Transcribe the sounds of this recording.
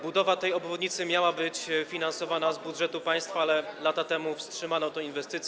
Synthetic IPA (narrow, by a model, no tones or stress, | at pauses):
bud̪ɔvat̪ɛjɔbvɔd̪ɲit̪sɘmʲjawabɘt͡ɕfʲinansɔvanazbudʐɛt̪upaj̃st̪faalɛlat̪at̪ɛmufstʂɘmanɔ̃t̪ɔ̃invɛst̪ɘt̪sʲ